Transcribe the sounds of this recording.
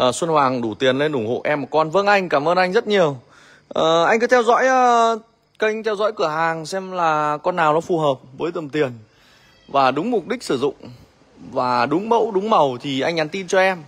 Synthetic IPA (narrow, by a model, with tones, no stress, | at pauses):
ʔəː˨˩swə˧nhwaː˨˩ŋɗu˧˩t̪i˨˩ənle˧nʔʊ˧˩ŋ͡mho̰˧˨ʔɛ˧ma˨˩kɔ˧nvə̰˧˥əŋʔa˧jŋ̟kaː˧˩mʔəː˧nʔa˧jŋzə˦˥t̚ɲi˨˩əw | ʔəː˨˩ʔa˧jŋkɨ˨˦t̪ʰɛ˧wzɔ̰˧˥jː | kə˧jŋ̟t̪ʰɛ˧wzɔ̰˧˥jkɨ˧˩əɦaː˨˩ŋsɛ˧mlaː˨˩kɔ˧nːaː˨˩wnɔ˨˦fu˨˩ɦəː˨˩p̚vəː˨˦jt̪ə˨˩mt̪i˨˩ən | vaː˨˩ɗʊ˨˦ŋ͡mmʊ˨˩k͡p̚ɗï˦˥k̚sɨ˧˩zʊ̰˧˨ŋ͡m | vaː˨˩ɗʊ˨˦ŋ͡mɓə̰˧˥wɗʊ˨˦ŋ͡mmə˨˩wt̪ʰi˨˩ʔa˧jŋ̟ɲa˨˦nt̪i˧nt͡ɕɔ˧ʔɛ˧m